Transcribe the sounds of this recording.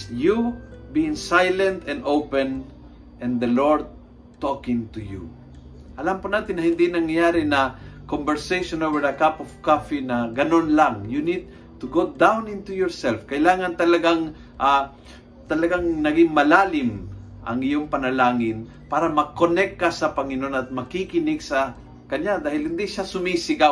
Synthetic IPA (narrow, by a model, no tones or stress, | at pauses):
jubiɪŋsajlɛ̃nt̪ɛ̃nd̪owpɛn | ʔɛ̃nd̪ɐloɹd̪̚ | t̪ɔkɪ̃ŋt̪ujṵ | ʔɐlampʊnaːt̪ɪnːɐhɪnd̪inɐŋjaːɾɪnɐkɔmbɛɹsejʃonowɛɾɐkapɔv̥kafinɐɡɐnonlaŋjunid̪̚ | t̪ʊɡod̪awnɪnt̪ujɔɹsɛlfkɐʔɪlaːŋɐnt̪ɐlɐɡaŋ | ʔa | t̪ɐlɐɡaŋnɐɡɪŋmɐlaːlɪm | ʔɐ̰ŋɪjoŋpɐnɐlaːŋɪn | paːɾɐmɐkonɛk̚ːasɐpɐŋɪno̞nɐt̪̚mɐkikɪnɪɡsɐ | kɐɲad̪aːhɪlhɪnd̪iʃasʊmisɪɡa